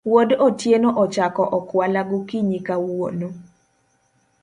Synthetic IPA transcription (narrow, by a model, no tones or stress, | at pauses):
wodɔtjenoʔɔt͡ʃakɔʔɔkwalaɡʊkiɲikawo̰no